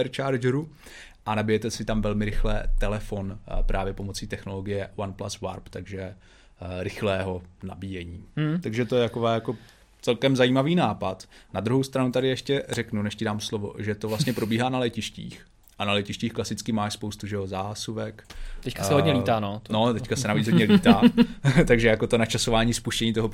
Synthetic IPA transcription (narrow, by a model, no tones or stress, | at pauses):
ɛɾt͡ʃaːɾd͡ʒɾu | ʔanabɪjɛt̪ɛsɪt̪amvɛlmɪɾɪxlɛ̰t̪ɛlɛfo̞npɾʔaːvjɛpo̞mo̞t͡siːt̪ɛxno̞lo̞ɡɪjɛwanpla̰swa̰ɾpt̪aɡʒɛ | ɾɪxlɛːɦo̞na̰biːjɛɲiːt̪aɡʒɛt̪o̞jɛt̪akovaːjako̞ | t͡sɛlkɛmzajiːmaviːnaːpat̪nad̪ɾuɦowst̪ɾanut̪adɪjɛʃcɛrɛknunɛʃcɪdaːmslovo̞̰ʒɛt̪ovlast̪ɲɛpɾo̞biːɦaːnalɛcɪʃcḭːx | ʔanalɛcɪʃciːxklasɪt͡skɪmaːʃspo̞wst̪uʒɛjozaːsuvɛkt̪ɛckasɛɦoɲɛliːt̪aːnonot̪ɛckasɛnaviːt͡sɦoɟɲɛliːt̪aːt̪aɡʒɛjakot̪o̞nat͡ʃasovaːɲiːspuʃcɛɲiːt̪oɦo